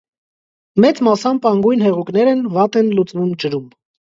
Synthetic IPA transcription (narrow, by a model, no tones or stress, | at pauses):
mɛt͡smɑsɑmpɑŋɡujnɦɛʁuknɛɾɛnvɑt̪ɛnlut͡svumt͡ʃəɾum